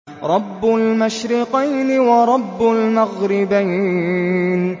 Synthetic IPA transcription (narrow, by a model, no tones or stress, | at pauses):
ɾˤɑbːʊlmaʃɾɪqijnɪwɑɾˤɑbːʊlmaɣɾɪbaj | n